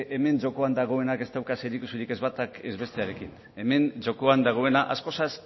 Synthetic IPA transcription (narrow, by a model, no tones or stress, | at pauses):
ʔe̞me̞nd͡ʒo̞ko̞and̪aɣ̞o̞e̞nake̞st̪awkaseɾikusuɾike̞zβat̪ake̞̰zβe̞st̪e̞aɾe̞kin | e̞me̞nd͡ʒo̞ko̞and̪aɣ̞o̞e̞naʔa̰sko̞sas